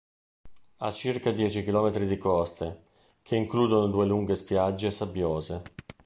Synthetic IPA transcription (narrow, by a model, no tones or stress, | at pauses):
at͡ʃːirkad̪jɛːt͡ʃik̟ilɔːmet̪ɾid̪ikɔst̪e | k̟ʰeiŋkluːd̪onod̪uːeluŋɡespjad͡ʒːesabjoːze